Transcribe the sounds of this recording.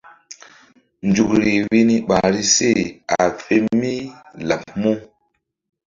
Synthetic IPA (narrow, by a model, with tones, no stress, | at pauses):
nd͡ʒu˨kɾi˨wi˦ni˦ɓa˨ɾi˦se˦˨a˨fe˦mi˦la˨pmo˦